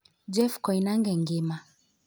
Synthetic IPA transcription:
d͡ʒɛfkɔinaŋɡɛŋɡema

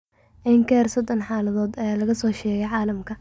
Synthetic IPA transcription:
ʔɪŋkʰɛːrsɔd̪ɔnħaːlɐðɔːd̪ɐjaːlɐɣɐsɔːʃɛːɣɛjʕaːlɐmkʰɐ

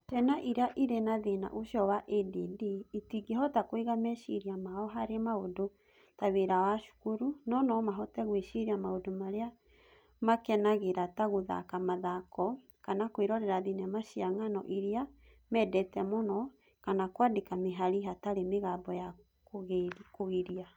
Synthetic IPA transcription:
tɛnaʔiɾaʔiɾenaðena̰ʔoʃjɔwaʔedidiːtiɡehɔtakwiɣamɛʃiɾiamaɔɦaɾemaodo | taβeɾawaʃu̥kuɾunɔnɔmaɦɔtɛɣweʃiɾiamaodomaɾea | makɛnaɣeɾataɣoða̰kamaðakɔ | kanakweɾɔɾɛɾaðinamaʃiaŋanɔ̰ʔiɾia | mɛdɛtɛmonɔ | kanakwadekameɦaɾiɦataɾemeɣabɔja | kɣkoɣeɾia

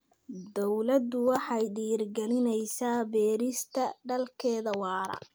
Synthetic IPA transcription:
d̪ɔwlɐd̪ʊwɑħɑjɖiːrɡɛlɪnɛjsaːbɛːɾɪst̪ʰɐɖɐlkʰɛːðɐwɑːɾɐ̰

